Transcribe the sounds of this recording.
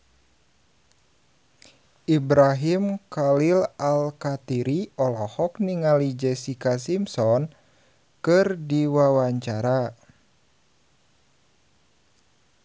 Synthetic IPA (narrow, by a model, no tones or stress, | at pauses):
ʔibɾaɦimkalilalkat̪iɾiɔlɔhɔkniŋalid͡ʒɛsikas̬imsɔn | kɨrdiwawaɲt͡ʃaɾa